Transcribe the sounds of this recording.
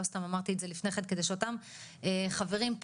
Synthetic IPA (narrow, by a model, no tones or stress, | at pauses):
ost̪amamaʁt̪iezelifneχed̪ke̞d̪eʃeot̪am | eχave̞ʁimp